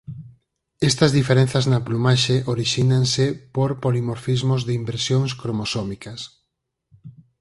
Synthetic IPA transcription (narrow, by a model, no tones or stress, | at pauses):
ɛst̪ɐzðifeɾẽn̟θɐznɐplumaʃeʔoɾiʃinaŋsɪpoɾpolimoɾfizmozðɪimbɾesjoŋskɾomosɔmikɐs